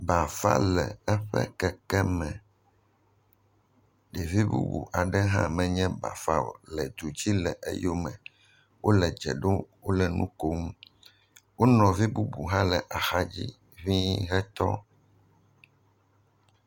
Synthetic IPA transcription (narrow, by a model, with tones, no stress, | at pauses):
ba˨fa̰˦lɛ̰˨ɛ˦ɸɛ̰˦kɛ˨kɛ˦mɛ̃˨ | ɖɛ˨vi˦bṵ˦bṵ˨ʔa˨ɖɛ˦ɦã̰˦mɛ̃˨ɲɛ̃˦ba̰˨fa̰˦o̰˨lɛ˨d̪u˨d͡ʑi˦lɛ˨ʔḛ˦jo˦mɛ̃˨ | wo˦lɛ˨d͡ʒɛ̰˨ɖo˦wo˦lɛ˨nṵ̃˦ko˦ŋu˦ | wo˦nɔ̃˨vi˦bu˦bu˨ɦã˦lɛ˨ʔa˨xa˦d͡ʑi˦ | βi˦ɦɛ˦t̪ɔ˦